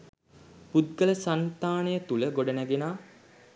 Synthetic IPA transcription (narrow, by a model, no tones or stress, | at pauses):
pud̪̚ɡələsant̪aːnejət̪uləɡoɖənæɡenaː